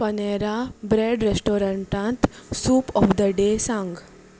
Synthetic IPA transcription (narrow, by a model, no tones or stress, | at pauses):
pɐneːɾabɾeːɖɾesʈoːɾɐ̃ɳʈãːnt̪suːpɔːfd̪əɖeːsãŋɡ